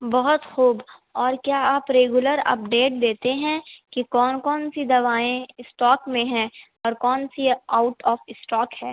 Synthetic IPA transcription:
bɐɦʊt̪xuːb | ɔːɾkjaːaːpɾeːɡjʊləɾɐ̰p̚ɖeːʈ̚d̪eːt̪eɦɛ̃kikɔːnkɔːnsid̪ɐʋaːẽɪsʈɔːkmẽɦɛ̃ | ɔːɾkɔːnsiaːʊʈɔːfɪsʈɔːkɦɛ̃ː

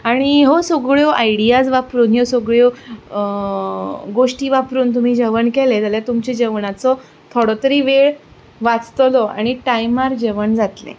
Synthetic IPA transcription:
aɽ̃iɦosoɡɭjoʔajɽijad͡zʋapɾuːnjosoɡɭjo | ɡoʂʈiːʋapɾuːnt̪um̤iːd͡ʑəʋəɳkɛled͡zaljat̪umt͡ɕed͡ʑəʋɳat͡sɔ | t̪ʰoɽɔt̪əɾiːʋeɭ | ʋat͡st̪lɔa̰ɽ̃iʈajmaɾd͡ʑəʋəɳd͡zat̪lḛ̃

